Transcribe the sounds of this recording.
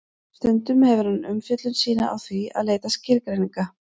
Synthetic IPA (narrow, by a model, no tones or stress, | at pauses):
st̪ʏnt̪ʏmhɛvʏɾ̥hanʏmfjœt̪lʏnsiːna̰ʔa̰wθvia̰ðleːjt̪ascɪɾkɾejniŋka